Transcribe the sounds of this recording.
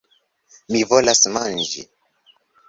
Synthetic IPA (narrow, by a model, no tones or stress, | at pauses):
mivolasmand͡ʒḭ